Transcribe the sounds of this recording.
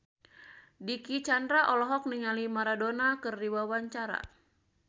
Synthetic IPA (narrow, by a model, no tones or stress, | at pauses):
dikit͡ʃandɾaʔɔlɔɦɔk̚niŋalimaɾadonakɨrdiwawaɲt͡ʃaɾa̰